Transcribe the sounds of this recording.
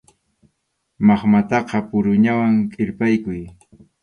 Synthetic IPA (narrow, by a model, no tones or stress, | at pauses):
mɑχmat̪ɑqɑpʊɾʊɲawaŋkʼɪɾpajkʊj